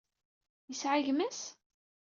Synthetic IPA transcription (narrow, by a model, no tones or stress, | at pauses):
jəsʕaʝmæs